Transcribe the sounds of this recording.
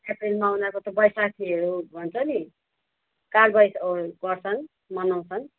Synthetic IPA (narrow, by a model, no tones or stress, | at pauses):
eprilmaunakot̪ʌbʌjsat̪ʰiʌɾubʱʌnt͡sʰʌni | kalbʌjsoɡʌrsʌŋ | mʌnaw̃sʌŋ